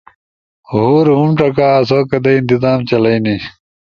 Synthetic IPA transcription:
ɦuːɾɦumʈ͡ʂɐkaːs̬oːkɐd̪ɐint̪izaːmt͡ɕɐlɐjni

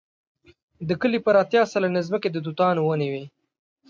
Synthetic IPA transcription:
d̪əkəlipəɾɑt̪jɑsalanezməked̪əd̪ut̪ɑnowəniwe

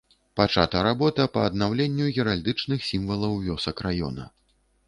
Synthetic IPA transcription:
pat͡ʂa̰t̪ɐɾabɔt̪ɐpɐːd̪̚nawlʲenʲːujʲɛɾalʲd̪ɨt͡ʂnɨxsʲimvɐlˠɐwvʲɔsɐkrajɔ̰nɐ̰

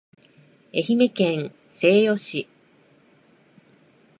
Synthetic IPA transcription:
e̞çime̞kẽ̞ñ | se̞ːjo̞ɕi

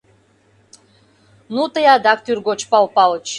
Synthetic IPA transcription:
nut̪əjɑd̪ɑk̚t̪yrɡot͡ɕpɑlpɑlt͡ɕ

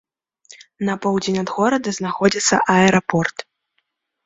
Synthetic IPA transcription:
nɐpɔwd͡zʲenʲɐd̪ɣɔɾɐd̪ɐznaxɔd͡zʲit̪sːɐ̰ʔɐɛɾɐpɔrt̪

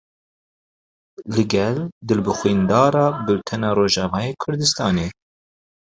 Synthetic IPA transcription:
lɨɡɛld̪ɨlbɨxwiːnd̪ɑːɾɑːbɨlt̪ʰɛnɑːɾoːʒɑːmɑːjeːkʰʊɾd̪ɨst̪ɑːneː

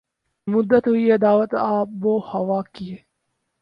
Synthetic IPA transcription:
mʊd̪ːət̪ɦʊied̪aːʋət̪aːp̚boːhɐʋaːkieː

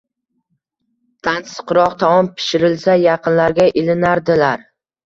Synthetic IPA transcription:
t̪ʰansɨ̥qɾɒq̚t̪ʰɒmɒmpʰɪ̥ʃɪɾɪlsajɑqʰɨnlaɾɡʲaʔɪlɪnaɾd̪ɪlaɾ

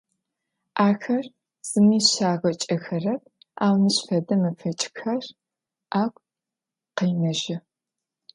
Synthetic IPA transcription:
ʔaːxɐr | z̥ɨmiːɕaːʁɐt͡ʃʼɐxɐrɐp̚ʼ | aːwnɨɕfɐdɐmɨfʰɐt͡ʃʼxɐr | ʔaːkʷʼ | qɐjnɐʒɪ

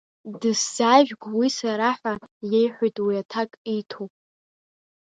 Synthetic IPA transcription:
dɨsz̥aʒᶣɡʷwisaɾaħʷajejħʷijtʼwiatʰakʼijtʰo

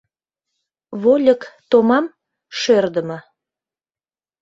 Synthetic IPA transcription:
βolʲəkt̪omɑm | ʃørd̪ə̆mə

